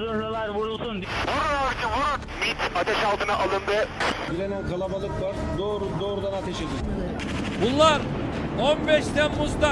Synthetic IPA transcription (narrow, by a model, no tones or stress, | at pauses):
zøɾalˠaɾvuɾulˠsund̪oɾajaɾd͡ʒɯvuɾ | mit̪ʰat̪ʰɛʃalˠt̪ʰɯnaʔalˠɯnd̪ɯɟiɾenænkʰalˠabalˠɯklˠaɾd̪oːɾud̪oːɾud̪anat̪ʰeʃed̪in | bunˠːaɾ | onbɛʃt̪ænmuzd̪a